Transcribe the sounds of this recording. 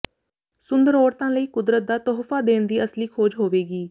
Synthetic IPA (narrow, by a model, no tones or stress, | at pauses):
sʊnd̪əɾoːɽt̪ãːləiːkʊd̪ɾət̪̚d̪aːt̪oːɦfaːd̪eːɳd̪iːəsliːkʰoːd͡ʒɦoːʋeːɡiː